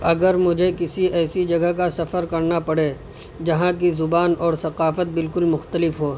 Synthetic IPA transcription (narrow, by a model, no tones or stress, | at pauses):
ɐɡəɾmʊd͡ʒʱekɪsiɛːsid͡ʒɐɡəɦkasɐfəɾkɐɾnapɐɽeː | d͡ʒɐɦãk̬izʊbaːnɔːɾsɐqaːfət̪̚bɪlkʊlmʊxt̪əlɪfɦoː